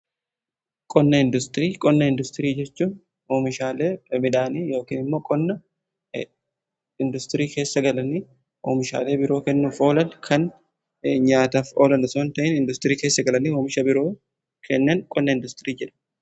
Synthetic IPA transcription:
kʼɔnːɐɪnd̪ʊst̪ɪɾiːkʼɔnːɐɪnd̪ʊst̪ɪɾiːd͡ʒɛt͡ʃːuːn | oːmɪʃaːleːmɪᶑaːniːjo̞ːkiːnɪmːo̞ːkʼɔnːɐ | ɪnd̪ʊst̪ɪɾiːke̞ːsːɐɡɐlɐniː | ʔo̰ːmɪʃa̰ːle̞ːbɪɾo̞ːkɛnːuːfo̞ːlɐnkʰɐn | ɲaːt̪aːfo̞ːlɐnɐsoːnt̪ɐʔɪnɪnd̪ʊst̪ɪɾiːkeːsːɐɡɐlɐniːoːmɪʃɐbɪɾoː | kʰɛnːɐnkʼɔnːɐɪnd̪ʊst̪ɪɾiːd͡ʒɛᶑɐ̥

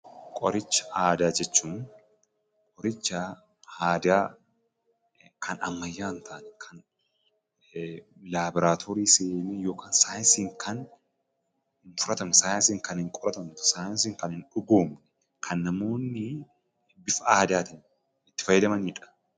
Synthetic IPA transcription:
kʼɔɾɪt͡ʃːɐ̥aːd̪aːd͡ʒɛt͡ʃːuːn | kʼɔɾɪt͡ʃːɐ | haːd̪aː | kʰɐnɐ̰mːɐjːaːnt̪ʰaːnɛkʰɐn | laːbɪɾaːt̪ʰoːɾiːseːnijo̞ːkaːnsaːjnsiːŋkʰɐn | hɪnfʊɾɐt̪ɐmɛsaːjɪnsiːŋkɐnhɪŋkʼɔɾɐt̪ɐmt̪saːjɐnsiːŋkɐnhɪnᶑʊɡoːmɛ̥ | kʰɐnːɐmo̞ːnːɪ | bɪfɐaːd̪aːt̪ɪn | ɪt̪ːɪ̥fɐjːɐd̪ɐmɐnɪᶑɐ̥

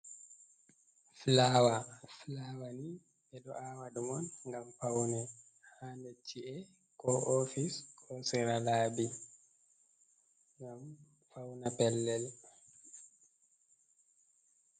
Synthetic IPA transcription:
flawaflawani | bɛdɔʔawadumɔnŋɡamfawnɛ | handet͡ʃːiɛ | kɔʔofiskʰɔsɛɾalaːbi | ŋɡam | fawnapɛlːɛl

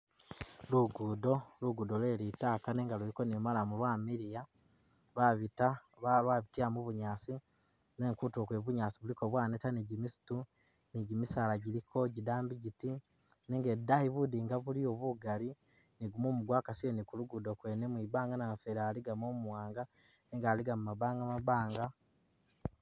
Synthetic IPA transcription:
luɡudo̞luɡudolweɾiːtaːkaneːŋɡaluɾikonimalamulwaːmiɾija | βaβita | βalwaβitiamuβuɲaːt͡si | neːŋkutuokweβuɲaːt͡siβuliko̞βwaːnetaniɟimisu̥tu | niɟimisaːlaɟiɾikʰo̞ɟidaːmbiɟiti | niŋɡedahiβudiːŋɡaβulioβuɡali | niɡumoːmuɡwakasienikuluɡudokwenemwibaːŋɡanafeɾaːliɡamomuwaːŋɡa | niːŋɡaːliɡamumaβaːŋɡamaβaːŋɡa

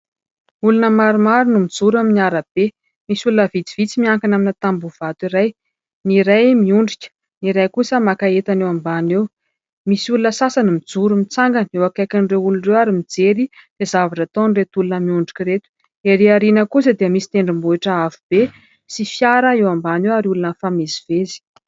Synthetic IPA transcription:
ulunəmaɾumaɾunumid͡zuɾaminiaɾab̥e | misulunəvid͡z̪ivit͡simiaŋkanaminat̪ambuv̥at̪iɾaj | niɾajmiuɳɖ͡ʐikʲə̥ | niɾajkusəmakaet̪anewambanew | misulunəsasanimid͡zuɾumit͡saŋɡənewakakʲanreulunrewaɾimid͡zeɾid̪̥ezavaʈ͡ʂat̪onret̪ulunəmiuɳɖ͡ʐikʲiɾet̪u̥ | eɾeaɾinəkus̬əd̪iəmisi̥t̪eɳɖ͡ʐimbuiʈ͡ʂəavub̥e | sifjaɾəewambanewaɾiulunəfamizivezi̥

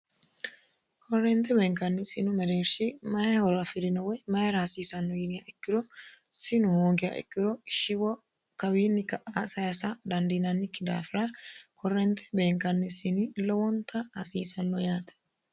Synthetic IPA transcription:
kʰɔrːɛnt̪ɛbeːŋkɐnːɪsɪnʊmɛɾeːɾʃɪmɐjɛhɔɾɐfɪɾɪnɔwɛjmɐjɛɾasiːsɐnːɔjɪnɪjaʔɛkːɪɾɔsɪnʊhoːɡɪja̰ʔɛ̰kːɪɾɔʃɪwɔ | kɐwiːnːɪkɐʔasɐjɐsad̪ɐnd̪iːnɐnːɪkːɪd̪a̰ːfɪɾakɔrːɛnt̪ɛ̥beːŋkɐnːɪsɪnilɔwɔnt̪ʰɐhɐsiːsɐnːɔjaːt̪ɛ̥

